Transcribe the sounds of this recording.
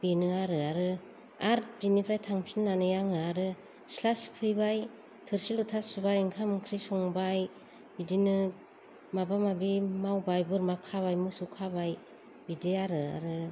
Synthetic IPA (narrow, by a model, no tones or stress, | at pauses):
b̥enɯaɾɯaɾɯ | aɾt̚binipʰɾajtʰaŋpʰinːanɯjaŋɯaɾɯ | slaspʰɯjbaj | tʰɯɾsilutʰasubajɯŋkʰamkʰɾisɔŋbaj | bidinɯ | mabamabimawbajbɯɾmakʰaβajmɯsukʰabaj | bideaɾɯa̰ɾɯ